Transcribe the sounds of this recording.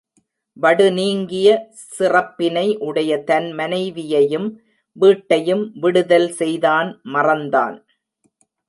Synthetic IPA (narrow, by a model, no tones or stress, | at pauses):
ʋɐɽɯniːŋɡɪjɐ | sɪrɐpːɪnɐɪʔɯɽɐjɐt̪ɐnmɐnɐɪʋɪjɐjɯm | ʋiːʈːɐjɯmʋɪɽɯðɐlsɛjðaːnmɐrɐnd̪a̰ːn